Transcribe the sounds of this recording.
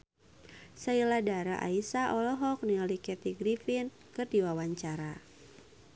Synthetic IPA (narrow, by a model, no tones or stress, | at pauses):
sailadaɾa̰ʔa̰isaʔɔlɔɦɔk̚nilikɛt̪iɡɾifin | kɨrdiwawaɲt͡ʃaɾa